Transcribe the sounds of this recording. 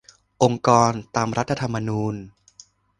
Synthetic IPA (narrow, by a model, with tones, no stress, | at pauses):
ʔo˧ŋkɔː˧nt̪aː˧mɾa˦˥t̪ʰːa˧t̪ʰa˧mːa˧nuː˧n